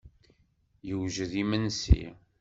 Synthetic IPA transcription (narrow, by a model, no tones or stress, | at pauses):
jəwʒəðimənsḭ